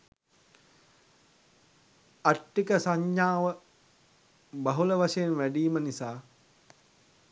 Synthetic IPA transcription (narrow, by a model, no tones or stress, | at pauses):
aʈːikəsaɲːaːʋə | bɐɦuləʋaʃejenʋæɖiːmənisaː